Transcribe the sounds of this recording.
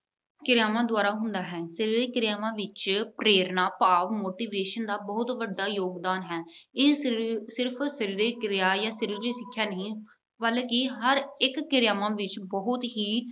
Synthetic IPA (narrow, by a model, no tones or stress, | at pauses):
kɪɾɪjaːmãːd̪ʊaːɾaːɦʊnd̪aːɦɛːsəɾiːɾeːkɪɾɪjaːʋãːʋɪt͡ʃpɾeːɾnaːpaːʋmoːʈiːʋeːʃənd̪aːbəɦʊt̪ʋəɖːaːjoːɡd̪aːnɦɛːɪːsɪɾpʰsəɾiːɾeːkɪɾɪjaːjaːsəɾiːɾɾeːsɪkʰːjaːnəɦĩː | bəlkɪɦəɾɪkːɪɾɪjaːmãːʋɪt͡ʃbəɦʊt̪ɦiː